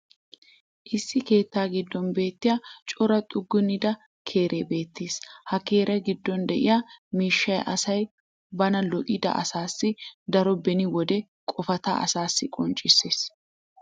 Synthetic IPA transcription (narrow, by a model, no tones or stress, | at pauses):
ʔɪsːɪke̞ːt̪ːaːɡɪd̪ːɔnbe̞ːt̪ːɪjat͡ʃʼɔɾɐt̪ʼʊɡːʊnːɪd̪ɐ | kʰe̞ːɾʔeːbe̞ːt̪ːeːshɐke̞ːɾʔɐɡɪd̪ːɔnd̪ɛʔɪ̰jamiːʃːɐjʔɐsɐj | bɐnɐlɔʔʼɪd̪ɐ̰ʔɐ̰saːsːɪd̪ɐɾɔbɛnɪwɔd̪ɛ | kʼɔfɐt̪a̰ːɐ̰saːsːɪkʼɔnt͡ʃʼɪsːe̞ːs